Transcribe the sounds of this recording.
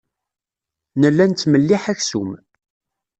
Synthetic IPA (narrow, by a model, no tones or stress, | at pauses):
nəlːænt͡s̪ːməlːiħæçsum